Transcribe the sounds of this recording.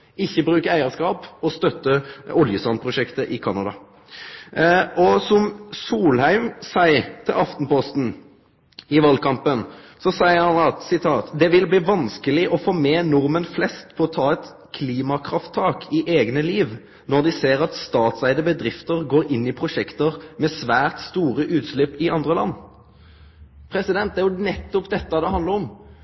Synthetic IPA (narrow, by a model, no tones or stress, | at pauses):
ɪçːəbʁʉːkəæɪəʁskɑːpɔst̪œt̪ːəʊljəsɑnpʰʁʊʃɛkt̪əʔɪkʰɑnɑd̪ɑ̰ | ɔsɔmsuːlhæɪmsæɪt̪ʰɪlʔɑft̪n̩pɔst̪n̩ | ɪʋɑlkʰɑmpənsɔsæɪəɾhɑnɑt̪sɪt̪ʰɑːt̪d̪ɛʋɪlbliːʋɑnskəlɪʔɔfoːmɛːnʊʁmənflɛst̪pʰɔɔt̪ʰɑːɛt̪ | kʰliːmɑkʰʁɑft̪ʰːɑːkʰɪʔeːɡnəliːʋ | nɔʁd̪ɪseːʁɑt̪st̪ɑːt̪sæɪd̪əbəd̪ʁɪft̪əʁɡoːʁɪnːɪpʰʁʊʃɛkt̪əʁmɛsʋæːʁt̪st̪uːʁəʔʉːt̪slɪpːɪɑnd̪ʁəlɑ̰nː | pʰɾɛsɪd̪ɛnt̪d̪æjʊnɛt̪ːɔpd̪ɛt̪ːəd̪ɛhɑnd̪əʁɔm